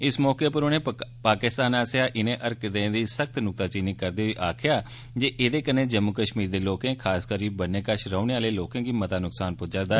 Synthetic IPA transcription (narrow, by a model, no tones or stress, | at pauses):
ɪsmɔːkeːpəɾʊnẽːpaːkɪst̪aːnaːsjaːʔɪnẽːʔəɾkd̪ẽd̪iːsək̚t̪nʊk̚t̪aːt͡ʃiːnikːəɾd̪eːiʔaːkʰɪjaː | d͡ʒeːʔeːd̪eːkənːẽːd͡ʒəmːʊkəʃmiːɾd̪eːloːkẽːkʰaːskəɾiːbənːẽːkəʃɾəʊneːaːleːloːkẽːɡiːmət̪aːnʊksaːnpʊd͡ʒəːɾd̪aː